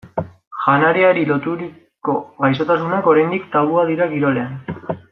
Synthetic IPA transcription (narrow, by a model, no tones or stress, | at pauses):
ʝanaɾeaɾilo̞t̪uɾi | ko̞ɣajso̞t̪asunako̞ɾajnd̪ikt̪aβuaðiɾaɣiɾo̞le̞an